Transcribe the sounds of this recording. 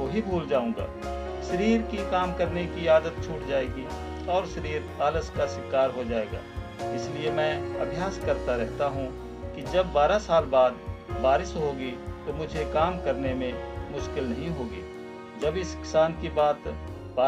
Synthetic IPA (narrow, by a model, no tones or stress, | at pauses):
oɦibʱuːld͡ʒaːũːɡa̰ː | ʃɐɾiːɾkikaːmkɐɾnekiaːd̪ət̪̚t͡ʃʰuːʈd͡ʒaːeːɡi | ɔːɾʃɐɾiːɾaːləskaʃwɪkaːɾɦod͡ʒaːeːɡa̰ː | ɪsliemɛ̃ːɐbʱjaːskɐɾt̪aɾɛɦt̪aɦũ | kid͡ʒɐbːaːɾasaːlbaːd̪baːɾɪsɦoːɡit̪omʊd͡ʒʱekaːmkɐɾnemẽmʊʃkɪlnɐɦĩɦoːɡiː | d͡ʒɐbɪskɪ̥saːnkibaːt̪ | baː